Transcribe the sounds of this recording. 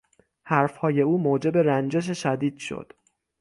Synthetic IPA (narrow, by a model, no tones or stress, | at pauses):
hæɾfhɒːje̞uːmoːd͡ʒe̞be̞ɾænd͡ʒe̞ʃ̬eʃæd̪iːd̪̥ʃo̰d̪̥